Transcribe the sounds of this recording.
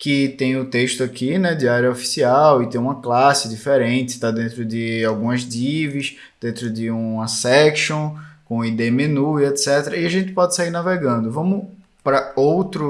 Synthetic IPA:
kɪt̪ẽj̃ʊt̪eʃt̪ʊakʰinɛd̪iaɾjɐofi̥siawɪt̪ẽj̃ũmɐklasɪd̪ifeɾẽt̪ɪ̥t̪ad̪ẽnt̪ɾʊd̪ɪawɡũmɐzd̪ivɪʃ | d̪̥ẽnt̪ɾʊd̪ɪũɐsɛkʃõkõid̪emenuiɛt̪sɛt̪eɾɐiaʒẽnt̪ɪ̥pɔd̪ɪsaiɾnaveɡɐ̃nd̪ʊvɐ̃mʊ | pɾɐowt̪ɾʊ

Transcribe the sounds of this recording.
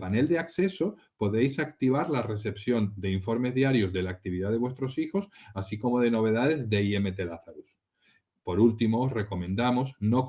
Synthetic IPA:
pane̞ld̪eakse̞so̞ | po̞ðe̞jsakt̪iβ̞aɾlare̞s̬e̞psjo̞nd̪e̞iɱfo̞ɾme̞zðiaɾjo̞zðe̞laːk̚t̪iβ̞iðaðe̞βwe̞st̪ɾo̞sixo̞sasikomo̞ð̞e̞no̞β̞e̞ðaðe̞zðe̞ieme̞t̪e̞laθaɾus | po̞ɾult̪imoːsre̞ko̞mẽ̞nd̪amo̞sno̞k

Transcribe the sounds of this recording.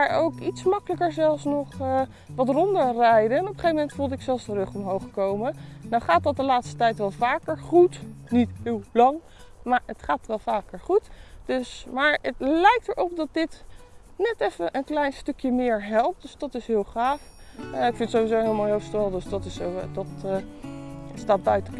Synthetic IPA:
aːɹowkitsmɑkələkəɹzɛlˠfsnɔχə | ʋɑtrɔndəɹrɛjdənɔpəχejvəmɛntfulˠdɪksɛlˠsdərɵχɔmɦowχəkowmənnawχaːt̚dɑt̚dəlaːtstə̥tɛjtʋɛlˠvaːkəɹχutnitɦɪːlˠlɑŋ | maːɹətχaːtʋɛlˠvaːkəɹχutd̥øsmaːɹətlɛjk̚təɹʔɔp̚dɑt̚dɪt | nɛtɛfənʔənklɛjnstɵkjəmɪːɹɦɛlˠp̚t̚d̥øsdɑtɪsɦɪːlˠχaːfɪkfɪntsowizoɦɪlˠmoɦostɛlˠdøsdɑtɪsodɑt | staːt̚bœɥtək

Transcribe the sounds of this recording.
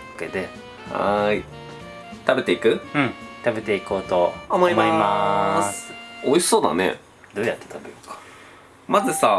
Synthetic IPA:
oked̪e | ha̰i | t̪abe̞t̪e̞ikɯ̟ɯ̃ɴt̪abe̞t̪e̞iko̞ːt̪oomoimaimasoisi̥so̞ːd̪a̰ne̞̰ | d̪o̞ːjat̪ːe̥t̪ʰabeokḁ | mazɨsa

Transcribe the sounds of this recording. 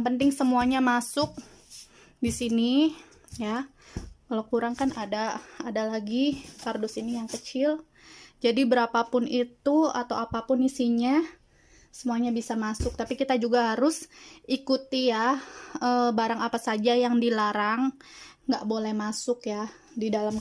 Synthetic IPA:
ŋpənt̪ɪŋsəmuaɲamasʊk̚ | disini | ja | kalawkuɾaŋkanadaːdalaɡikardʊsinijaŋkət͡ʃɪl | d͡ʒadibəɾapapʊnit̪ua̰t̪awapapʊnisiɲa | səmuaɲabisamasʊk̚t̪apikit̪ad͡ʒuɡaɦaɾʊsikut̪ijaəbaɾaŋapasad͡ʒajaŋdilaɾaŋːɡaʔbolɛhmasʊkja | didalam

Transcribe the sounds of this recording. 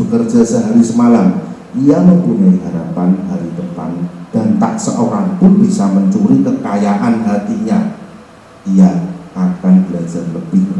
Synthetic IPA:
b̥əkərd̥ʒ̥asəɦaɾisəmalam | ʔijaməpunaiɦaɾapandaɾit̪əpa̰nd̥ant̪aʔsəʔoɾaŋpʊnb̥isaməɲt͡ʃuɾikəkajaʔanɦat̪iɲa | ijaʔːkanb̥əlḁd͡ʒ̥arləb̥ɪh

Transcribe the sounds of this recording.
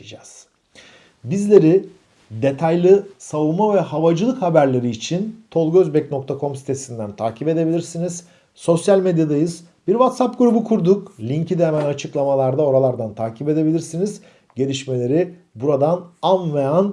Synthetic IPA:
d͡ʒaz̥ | bizlʲe̞ɾi | d̪e̞t̪ʰajlˠɯsavumavɛɦavad͡ʒɯlˠɯkhabæɾlʲe̞ɾiːt͡ʃʰint̪ʰo̞lˠɡøzbɛcno̞k̚t̪ʰakʰo̞msi̥t̪ʰe̞sind̪ænt̪ʰaːcʰipe̞d̪e̞bilʲiɾsiniz̥ | so̞sjalʲmed̪jad̪ajɯz | biɾvat̪sapɡuɾubukʰuɾd̪uklʲiɲcʰid̪emænat͡ʃʰɯklˠamalˠaɾd̪ao̞ɾalˠaɾd̪ant̪ʰaːcʰipe̞d̪e̞bilʲiɾsiniz | ɟe̞lʲiʃme̞lʲe̞ɾi | buɾad̪ananvean

